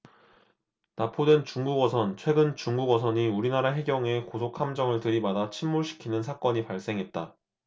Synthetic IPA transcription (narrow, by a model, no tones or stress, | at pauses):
napʰodwent͡ɕuŋɡuɡwʌsʰʌnt͡ɕʰwe̞ɡɯnt͡ɕuŋɡuɡwʌsʰʌɲiuɾinaɾaɦe̞ɡjʌŋe̞kosʰokʰamd͡ʑʌŋɯɭtɯɾimadat͡ɕʰimːuɭɕʰi̥kʰinɯnsʰak͈ʌɲipaɭs͈e̞ŋɦe̞t̚t͈a